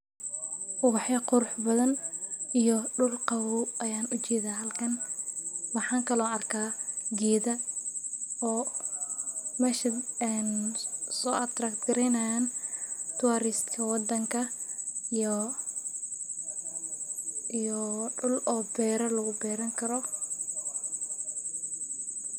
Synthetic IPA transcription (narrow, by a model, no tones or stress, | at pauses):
ʔʊɣɑħjɐqʊɾʊħbɐðɐnijɔɖʊlqɑwuwʔɐjaːnʊt͡ʃɛːðaːɦɐlkʰɐn | wɑħɑːŋkʰɐlɔːɐrkʰaː | ɡɛːðɐ | ɔː | mɛːʃɐɛnsɔːʔɐt̪rakt̪ɡɐɾɛjnɐjaːnt̪ʰʊwaɾɪst̪kʰɐwɑd̪ɐŋkʰɐ | ijɔɖʊlɔːbɛːɾɐlɐɣʊbɛːɾɐŋkʰɐɾɔ